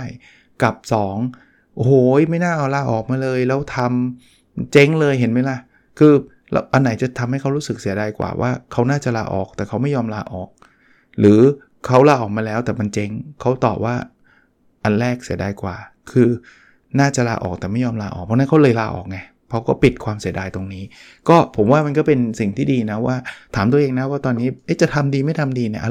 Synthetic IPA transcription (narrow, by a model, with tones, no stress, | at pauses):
a˥˩j | ka˨˩p̚sɔː˩˦ŋ | ʔo˨˧˩hoː˨˩˦ma˥˩jnaː˥˩ʔa˧˩wlaː˧ʔɔː˨˩k̚maː˧lɤː˧jlɛː˦˥wt̪ʰa˧m | t͡ɕe˦˥ŋlɤː˧jɦe˩˦nma˦˥jla˧˩ | kʰɯː˧ | lɛ̰˦˥wʔa˧nːa˩˦jt͡ɕa˨˩t̪ʰa˧mha˥˩jkʰa˦˥wɾuː˦˥sɯ˨˩k̚si˨˩˦ɐda˧jkwa̰ː˨˩wʔa̰ː˥˩kʰa˦˥wnaː˥˩t͡ɕa˨˩laː˧ʔɔ̰ː˨˩k̚t̪ɛː˨˩kʰa˦˥wma˥˩jɔː˧mla̰ː˧ʔɔː˨˩k̚ | lɯː˩˦ | kʰa˦˥wlaː˧ʔɔː˨˩k̚maː˧lɛː˦˥wt̪ɛː˨˩ma˧nt͡ɕe˦˥ŋkʰa˦˥wt̪ɔː˨˩p̚waː˥˩ | ʔa˧nlɛː˥˩k̚si˨˩˦daː˧jkwa̰ː˨˩ | kʰɯː˧ | naː˥˩t͡ɕa˨˩ʔlaː˧ʔɔ̰ː˨˩k̚t̪ɛː˨˩ma˥˩jɔː˧mlaː˧ʔɔ̰˨˩pʰɔː˧˥na˦˥nkʰa˦˥wlɤː˧jlaː˧ʔɔ̰ː˨˩k̚ŋa˧ | pʰɔ˦˥wkɔː˥˩pi˨˩t̪̚kʰwaː˧msi˩˦daː˧jt̪o˧ŋniː˦˥ | kɔː˥˩pʰo˩˦mwaː˥˩ma˧nkɔː˥˩pe˧nsi˨˩ŋt̪ʰiː˥˩diː˧na˦˥waː˥˩t̪ʰaː˨˩˦mt̪u˧əʔeː˧ŋna˦˥waː˥˩t̪ɔː˧nːiː˦˥ʔjt͡ɕa˨˩t̪ʰa˧mdiː˧ma˥˩jt̪ʰa˧mdiː˧ni˧˩ʔ